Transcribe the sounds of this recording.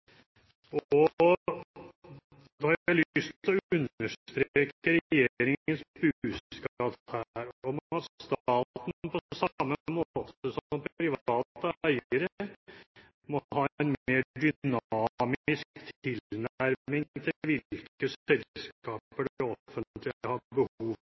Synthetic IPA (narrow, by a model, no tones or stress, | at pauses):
ɔ | d̪ɔhɑɾɪlʏst̪ʰlɔʉnəʂt̪ɾeːeːkəɾɛjeːɾɪŋənsbʉːsskɑːphæɾɔmhɑst̪ɑːt̪n̩n̩pʰɔsɑmːəmot̪əsɔɔmpʰɾɪʋɑːt̪əæɪəɾə | mɔhɑːɛnmeːɖʏnɑːmɪskt̪ʰɪlnæɾmɪŋt̪ʰɪʋɪlkkəsɛlsɑːpəɖɛɔfənt̪ʰlɪæhɑd̪bəhuːʋ